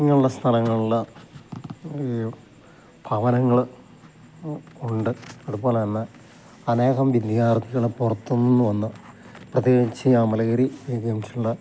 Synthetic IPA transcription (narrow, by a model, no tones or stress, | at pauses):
ŋːɐɭuɽɐst̪ʰɐlɐŋːɐɭuɭɐ | b̥ʱɐʋɐnɐŋːɐɭ | uɳɖɨɐðupo̞ːlɐnːɐ | ɐne̞ːɣɐmʋid̪jaːrt̪iɣɐɭpurɐt̪ːunːinːuʋɐnːɐprɐt̪jeːɡit͡ɕːɨaːmɐlɐɣɐɾieɡjɐmɕi̥uɭːɐ